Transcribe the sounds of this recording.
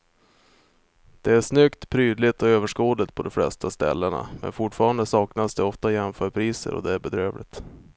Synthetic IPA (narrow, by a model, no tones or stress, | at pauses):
d̪̥ɛæʂnʏkt̪pʰɾyːd̪lɪt̪ɔøːvəʂkoːd̪ət̪̚pʰɔd̪ɔmflɛ̰st̪ʰast̪ɛ̰lːəɳa̰mɛ̰nfʊʈfɑːɾand̪əsɑːknasd̪ɛɔft̪ajɛnfœːɾpʰɾiːsə̰ɾɔ̰d̪ɛæɾbɛd̪ɾøːvlɪ̰t̪